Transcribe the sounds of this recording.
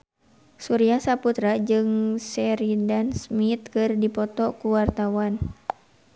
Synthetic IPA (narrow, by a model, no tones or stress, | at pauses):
suɾiasaput̪ɾad͡ʒɨŋsɛɾidansmit̪̚kɨrdipɔt̪ɔkuwart̪awan